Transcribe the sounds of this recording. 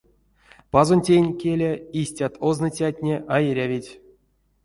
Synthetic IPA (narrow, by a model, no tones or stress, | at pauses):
pazonʲtʲejnʲkʲelʲaisʲtʲat̪ʰoznɨtʲatʲnʲeʔajeɾʲavʲitʲ